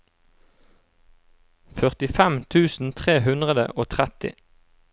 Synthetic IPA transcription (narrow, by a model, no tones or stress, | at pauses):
fœʁt̪ɪfɛmt̪ʰʉːsn̩t̪ʰʁeːɦʉnd̪ʁəd̪ə̰ʔoːt̪ʰʁɛt̪ɪ̰